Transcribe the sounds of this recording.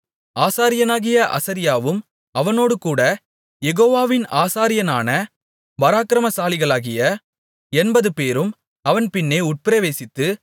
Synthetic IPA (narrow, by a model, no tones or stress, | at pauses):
aːsaːɾɪjɐnaːɣɪjɐʔɐ̰sɐɾɪjaːʋɯm | ɐʋɐnoːɽɯkuːɽɐ | jɛɣoːʋaːʋɪnaːsaːɾɪjɐnaːnɐ | ʋɐɾaːkɪɾɐmɐsaːlɪɣɐɭaːɣɪjɐ | ɛnbɐðɯpeːɾɯm | ɐʋɐnpɪnːeːʊʈ̚pɪɾɐʋeːsɪt̪ːɯ